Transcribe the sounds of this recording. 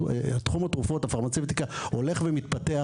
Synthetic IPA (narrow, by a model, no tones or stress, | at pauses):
at̪χumat̪ʁufo̞tafaʁmat͡sewt̪ikaho̞le̞χvemit̪patea